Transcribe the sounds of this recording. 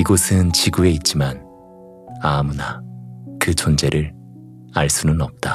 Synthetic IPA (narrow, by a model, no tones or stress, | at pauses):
iɡʌsʰɯnt͡ɕiɡue̞it̚t͡ɕ͈iman | amunakɯt͡ɕʰond͡ʑe̞ɾɯɾ | aɭs͈unɯnʌp̚t͈a